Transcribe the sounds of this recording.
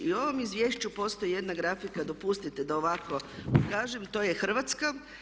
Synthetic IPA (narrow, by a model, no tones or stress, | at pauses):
io̞ʋo̞mizʋjeʃt͡ɕupo̞st̪o̞jije̞d̪naɡɾafikad̪o̞pust̪it̪ed̪aoʋako̞kaːʒemt̪o̞jexr̩ʋat̪ska